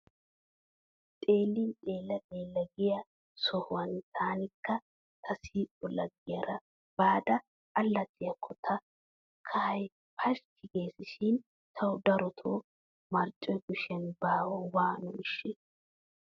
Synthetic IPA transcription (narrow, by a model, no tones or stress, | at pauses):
t̪ʼe̞ːlːɪnɗʼe̞ːlːɐtʼeːlːɐɡɪjɐ | sɔhʊwɐnt̪ʰaːnɪkːɐ | t̪ʰɐsiːtʼːɔlɐɡːɪjɐɾɐ | b̥aːd̪ɐː | lːɐt̪ʼːɪjɐkʰːɔt̪ʰɐ | kʰɐhɐj | pʰɐʃkʰɪɡeːsɪʃɪn | t̪ʰɐwʊd̪ɐɾɔt̪ʰoː | mɐɾt͡ʃʼːɔjɡʊʃɐnbaːwɔwaːnʊmɪʃːe